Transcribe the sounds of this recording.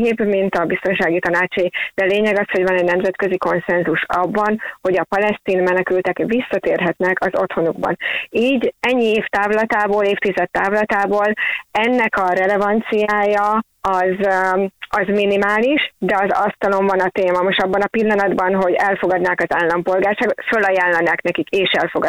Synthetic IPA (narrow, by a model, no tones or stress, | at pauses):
eːbmint̪ɒbist̪o̞nʃaːɡit̪ɒnaːt͡ʃɒjid̪̥ɛleːɲɛɡɒsho̞ɟvɒnɛɟnɛmzɛt̪køziko̞nsɛnzuʃɒbːɒnho̞ɟɒpɒlɛst̪iːnmɛnɛkylt̪ɛkvisːɒt̪eːrɦɛt̪nɛkɒzo̞t̪ho̞nuɡbɒ̰niːɟɛɲːieːft̪aːvlɒt̪aːboːleːft̪izɛt̪ːaːvlɒt̪aːboːlɛnːɛkɒɾɛlɛvɒnt̪sijaːjɒ | ɒz | ɒzminimaːliʃd̪ɛɒzɒst̪ɒlo̞ɱvɒnɒt̪eːmɒmoʃt̪ɒbːɒnɒpilːɒnɒd̪bɒnɦo̞ɟɛlfoɡɒd̪naːkɒzaːlːɒmpo̞lɡaːrʃaːɡo̞t̪følːɒjaːlːɒnaːknɛkikeːʃɛlfoɡɒ